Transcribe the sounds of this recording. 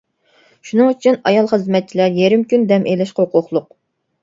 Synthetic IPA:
ʃunɨŋyt͡ʃʰynɑjɑlˠχəzmɛt̪̚t͡ʃʰilæɾjeɾɪmkʲʰynd̪ɛmʔelɪʃqoqʰʊχlˠʊq̚

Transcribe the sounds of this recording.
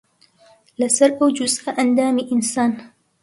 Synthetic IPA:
lasɪɾˤʔad͡ʒʊzʔaʔand̪aːmiʔɪnsaːn

